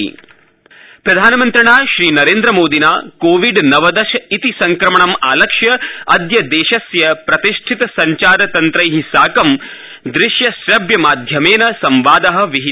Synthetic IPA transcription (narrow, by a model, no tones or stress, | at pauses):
pɾɐd̪ʱaːnɐmɐnt̪ɾɐɳaːʃɾiːnɐɾeːnd̪ɾɐmoːd̪inaːkoːʋiɖnɐʋɐd̪ɐʃɐit̪isɐŋkɾɐmɐɳɐma̰ːlɐkʂjɐɐd̪jɐd̪eːʃɐsjɐpɾɐt̪iʂʈʰit̪ɐsɐɲt͡ʃaːɾɐt̪ɐnt̪ɾɐjɦisaːkɐm | d̪ɾɪʃjɐʃɾɐbjɐmaːd̪ʱjɐmeːnɐsɐmʋaːd̪ɐɦɐ̆ʋiɦi